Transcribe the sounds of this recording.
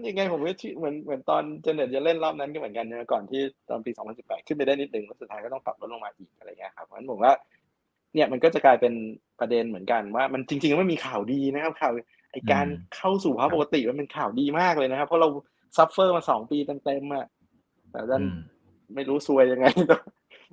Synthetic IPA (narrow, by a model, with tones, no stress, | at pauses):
ja˧ŋːa˧jpʰo˩˦mkːt̪ʰi˥˩mɯ˩˦ənmɯ˩˦ənt̪ɔː˧nt͡ɕa˧nɤ˨˩t̪̚ja˨˩le˥˩nlɔː˥˩p̚na˦˥nkɔ˥˩m˩˦nka˧nː˧˩ma˧˩kɔː˨˩nt̪ʰiː˥˩t̪ɔ̰ː˧npiː˧sɔː˨˩˦ŋpʰa˧nsi˨˩pːɛː˨˩t̪̚kʰɯ˥˩npa˧da˥˩ni˦˥t̪̚nɯ˨˩ŋɾo˦˥su˨˩aː˧jkɔː˥˩ɔ˥˩pa˨˩o˦˥t̚lo˧ŋmaː˧ʔiː˨˩k̚ʔa˧ɾa˧jkʰa˦˥p̚ʰɔ˨˦na˦˥˩pʰwaː˥˩ | ni˥˩əma˧nkɔ˥˩t͡ɕa˨˩klaː˧jpe˧npɾa˧de˧nmɯ˩˦ənka˧nwaː˥˩ma˧nt͡ɕi˧ŋt͡ɕi˧ŋkɔ˥˩m˥˩miː˧kʰaː˨˩wdiː˧na˦˥kʰa˦˥p̚kʰaː˨˩w | ʔa˧jkaː˧nkʰa˥˩wsuː˨˩pʰaː˧˦˥po˨˩ka˧t̪i˨˩ma˧npe˧nkʰaː˨˩wdiː˧maː˥˩k̚lɤː˧jna˦˥kʰa˦˥pʰːɔ˦˥ɾa˧w | sa˦˥p̚ːɤː˥˩maː˧sɔː˩˦ŋpiː˧t̪a˧nt̪e˧mʔa˨˩ | t̪ɛ̰ː˨˩a˧˩t̪a˧˥˩n | ma˥˩jɾuː˦˥su˧əja˧ŋːa˧jt̪ɔ˧˩